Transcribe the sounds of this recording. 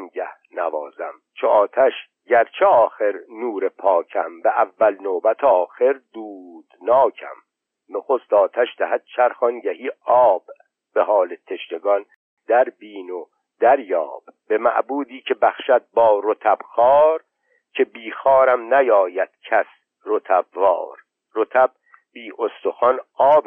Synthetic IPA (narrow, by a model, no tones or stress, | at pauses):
ŋɟæhnævɒːzæm | t͡ʃʰoɒːt̪ʰæʃ | ɟæɾt͡ʃʰeɒːxe̞ɾnuːɾepʰɒːcʰæ̰mbeʔævːælnoːbæt̪ʰeɒːxe̞ɾd̪uːd̪̥nɒːcʰæ̰m | noxost̪ɒːt̪ʰæʃd̪æhæd̪̥̚t͡ʃʰæɾxɒnɟæhiːɒːb̥ː | e̞hɒːlet̪ʰe̞ʃne̞ɡɒn | d̪æɾbiːno | d̪æɾjɒ̰ːb̥be̞mæ̰ʔbuːd̪iːcʰe̞bæxʃæd̪̚bɒːɾot̪ʰæb̥xɒːɾ | cʰe̞biːxɒːɾæmnæjɒːjæd̪̥cʰæs | ɾot̪ʰæbːɒ̰ːɾ | ɾot̪ʰæb̚ | biːʔost̪o̞xɒnɒːb